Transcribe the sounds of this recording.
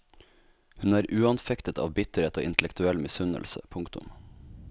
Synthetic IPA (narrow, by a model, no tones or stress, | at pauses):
hʉnæːɾʔʉːɑnfɛkt̪ət̪ʰɑ̰ːʋbɪt̪əɾeːt̪oːɪnt̪əlɛk̚t̪ʉɛlmɪsʉnə̰lsə̰pʰʊŋkt̪ʊ̰m